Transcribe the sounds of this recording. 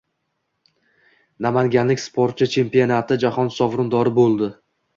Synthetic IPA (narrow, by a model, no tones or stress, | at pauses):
namaŋɡʲanlɪkʲspʰoɾt̪̚t͡ʃʰɪt͡ʃʰe̞mpio̞nat̪ʰɪd͡ʒahɒnsɒvɾʊnd̪ɒɾɪbolˠd̪ɪ